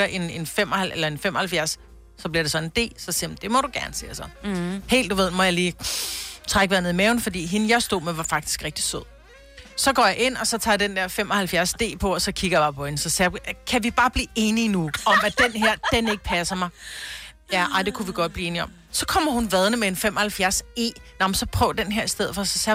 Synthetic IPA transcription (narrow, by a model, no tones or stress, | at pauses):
ɐʔe̝ne̝nfem̰ɒhælʔelɐe̝nfem̰ɒ̽hælfjæɐs | sɒ̽b̥liɐɾ̥e̝sɒ̽ne̝nd̥e̝̰ːsɒ̽semd̥e̝mɒ̽ɾ̥uɡ̥æɐnəsḛːsɒ̽he̝̰ːld̥uʋe̝ð̞̰ˠmɒ̽jɑ̈liː | t͡sʰʁaɡ̥ʋæðˠnðˠimɛːʊn̩fɒ̽dḭːɦe̝nəjɑɪsd̥o̝ð̰ˠmeʋɑ̈fɑ̈ɡ̥d̥i̥sɡ̥ʁeɡ̥̚d̥i̥so̰ð̰ˠ | sɒ̽ɡ̥ɒ̰ːjɑ̈ʔe̝n̰ɒ̽sɒ̽t͡sʰɑ̰̈d̥end̥æɐ̰fem̰ɒ̽hælfjæɐsd̥e̝̰ːpʰɒ̽ɒ̽sɒ̽kʰiɡ̥ɐjb̥ɑ̈ːpʰɒ̽e̝nsɒ̽sæb̥ʁikʰæʋib̥ɑ̈ːb̥liːe̝ːninuɒ̽mæd̥enɦeɐ̰d̥ene̝ɡ̥ə̥pʰæsɐmɑ̈ɪ | jæʔɑɪd̥e̝kʰuʋiɡ̥ɒ̽d̥̚b̥liːe̝ːniɒ̽m | sɒ̽kʰɒ̽m̰ɐhunʋæð̞ˠnəmeenfemʔɒ̽hælfjæɐse̝̰ːnɑmnsɒ̽pʰʁœ̰ʊd̥enɦeɐ̰isd̥eð̞̰ˠfɒsɒsæ